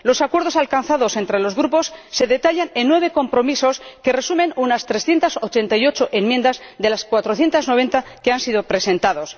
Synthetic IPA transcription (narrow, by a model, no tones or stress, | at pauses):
lo̞sakwe̞ɾð̞o̞salkan̟θaðo̞se̞nt̪ɾe̞lo̞zɣɾupo̞sːe̞ðet̪aʎanenːwe̞β̞e̞ko̞mpɾo̞miso̞ske̞re̞sumẽ̞nunast̪ɾesθje̞nt̪asot͡ʃe̞nt̪ajo̞t͡ʃo̞ʔe̞mjend̪azðe̞laskwat̪ɾo̞θje̞nt̪azno̞β̞e̞nt̪akeansiðo̞pɾe̞sẽ̞nt̪aðo̞s